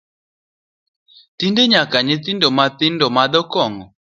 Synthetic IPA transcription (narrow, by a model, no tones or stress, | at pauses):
tindeɲakaɲɪt̪ɪndomat̪ɪndomad̪ɔkɔŋɔ